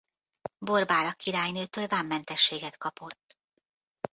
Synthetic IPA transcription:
bo̞rbaːlɒkːiɾaːjnøːt̪øːlvaːmːɛnt̪ɛʃːeːɡɛt̪kɒpo̞t̪ː

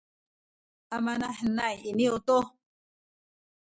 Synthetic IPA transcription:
amanahnajinioto

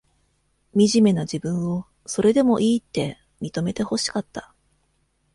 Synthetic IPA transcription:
mʲiʑime̞nad͡ʑibɯ̟̃ɰ̃o̞ | so̞ɾe̞d̪e̞mo̞ʔiːt̪ːe̞ | mʲit̪o̞me̞t̪e̞ho̞ɕi̥kat̪ːḁ

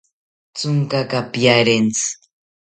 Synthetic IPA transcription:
t͡sʊŋkakapjaɾent͡s

